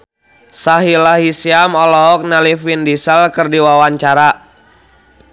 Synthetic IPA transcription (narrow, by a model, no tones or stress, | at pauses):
saɦilaɦisiamɔlɔɦɔk̚nalifindisəlkərdiwawaɲt͡ʃaɾa